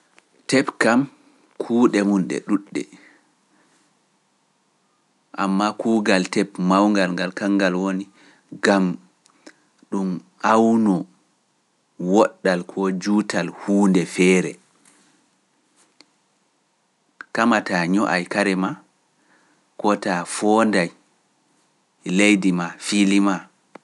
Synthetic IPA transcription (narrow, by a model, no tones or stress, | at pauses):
tɛpkam | kʰuːɗɛmunɗɛ̰ɗuɗːɛ̰ | ʔamːakuːɡaltɛpmawŋɡalŋɡalkaŋːɡalwoni | ɡam | ɗum | ʔawnɔ | wɔɗːalkʰɔd͡ʒuːtalhuːndɛfɛːɾɛ̰ | kamataɲɔʔajkaɾɛma | kɔtafɔndaj | lejdimafilima